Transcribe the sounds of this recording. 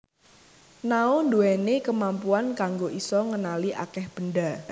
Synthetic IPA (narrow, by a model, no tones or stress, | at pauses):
naonduɛnekəmampuankaŋɡoʔisɔŋənaliʔa̰kɛhb̥ənɖa